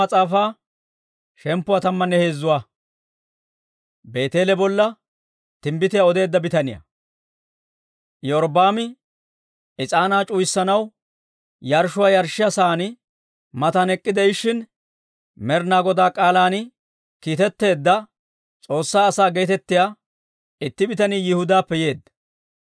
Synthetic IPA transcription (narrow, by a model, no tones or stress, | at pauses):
ɐt͡sʼaːfaː | ʃɛmpːʊwaːt̪ɐmːɐnːɛhe̞ːzːʊwa | be̞ːt̪e̞ːlɛbɔlːɐ | t̪ɪmbɪt̪ɪjaɔd̪e̞ːd̪ːɐbɪt̪ɐnɪjɐ̰ | jɔɾbaːmɪ | ɪt͡sʼaːnaːt͡ʃʼʊjsːɐnɐw | jɐɾʃʊwaːjɐɾʃɪjasaːnɪ | mɐt̪ɐnɛkʼːɪd̪ɛɪʃːɪn | mɛɾnaːɡɔd̪aːkʼaːlaːnɪ | kiːt̪ɛt̪ːe̞ːd̪ːɐ | t͡sʼo̞ːsːaːɐsaːɡe̞ːt̪ɛt̪ːɪjaː | ɪt̪ːɪbɪt̪ɐniːjɪhʊd̪aːpːɛje̞ːd̪ːɐ